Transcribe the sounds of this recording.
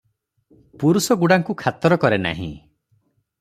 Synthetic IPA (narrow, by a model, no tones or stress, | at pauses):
puɾusɔɡuɽaŋkukʰat̪ɔɾɔkɔɾena̰ɦḭ̃